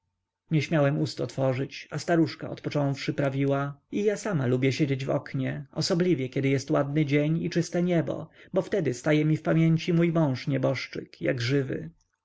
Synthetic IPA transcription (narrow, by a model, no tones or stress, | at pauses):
ɲɛɕmʲjawɛmust̪ɔt̪fɔʐɘt͡ɕast̪aɾuʂka̰ɔ̰t̪pɔt͡ʂɔ̃w̃fʂɘpɾavʲiwaijasamalubʲjɛɕed͡ʑed͡ʑvɔ̰kɲɛɔsɔblʲivʲjɛkʲɛd̪ɘjɛst̪wad̪nɘd͡ʑeɲit͡ʂɘst̪ɛɲɛbɔ̰bɔft̪ɛd̪ɘst̪ajɛmʲifpamʲjeɲt͡ɕimujmɔ̃w̃ʂɲɛbɔʂt͡ʂɘ̰kja̰ɡʐɘvɘ̰